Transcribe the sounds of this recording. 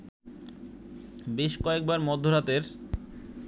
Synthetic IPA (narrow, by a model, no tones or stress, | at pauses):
beʃkɔek̚baɾmɔd̪ʱːoɾat̪eɾ